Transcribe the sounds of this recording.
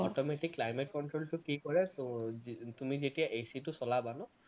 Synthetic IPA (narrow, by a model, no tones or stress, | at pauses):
ɔ̰tɔmetikːlajmet̚kɔntɹoltʊkikɔɹɛ | tumizetijaʔesitʊsɔlabanʊ